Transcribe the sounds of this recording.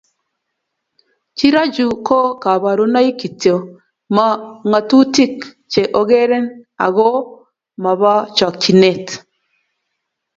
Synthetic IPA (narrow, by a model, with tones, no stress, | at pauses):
t͡ʃi˦ɾa˦d͡ʒu˨ko˦ka˨βa˨ɾu˦na˦i˦ki˨to˨ | ma˨ŋa˨tu˦ti˦k | t͡ʃe˨ʔo˨˦ɣe˦ɾɛ˦na̰˨ɣo˦ | ma˨βa˦t͡ʃa˨k̚t͡ʃi˨ne˦˨t